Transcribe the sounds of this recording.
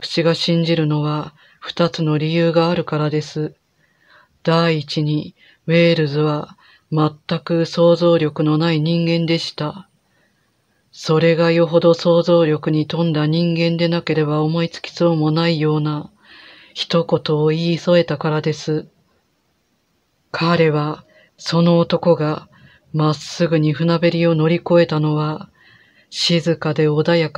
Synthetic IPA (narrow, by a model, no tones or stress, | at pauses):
kɯ̟̥t͡ɕiɡaɕĩɲ̟d͡ʑiɾɯ̟no̞βa | ɸɯ̟̥t̪at͡sɨno̞ɾʲijɯːɡaːɾɯ̟kaɾad̪e̞sɨ | d̪̥aiːt͡ɕiɲ̟i | βe̞ːɾɯ̟zɨβa | mat̪ːakɯ̟so̞ːzo̞ːɾʲo̞kɯ̟no̞naiɲ̟ĩŋɡẽ̞nd̪e̞ɕi̥t̪a | so̞ɾe̞ɡajo̞ɦo̞d̪o̞so̞ːzo̞ːɾʲo̞kɯ̟ɲ̟it̪õ̞nd̪aɲ̟ĩŋɡẽ̞nd̪e̞nake̞ɾe̞bao̞mo̞it͡sɨ̥kʲi̥soːmo̞naijo̞ːna | çi̥t̪o̞ko̞t̪o̞ːiːso̞e̞t̪akaɾad̪e̞sɨ | kʰaɾe̞βa | so̞no̞ːt̪o̞ko̞ɡa | masːɨɡɯ̟ɲ̟iɸɯ̟nabe̞ɾʲio̞no̞ɾʲiko̞e̞t̪ano̞βa | ɕizɨkad̪e̞o̞d̪ajak